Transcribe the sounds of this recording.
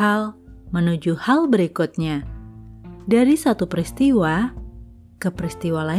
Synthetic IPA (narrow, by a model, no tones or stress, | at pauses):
almənud͡ʒuhalbəɾikut̪̚ɲa | daɾisat̪upɾist̪iwa | kəpɾist̪iwala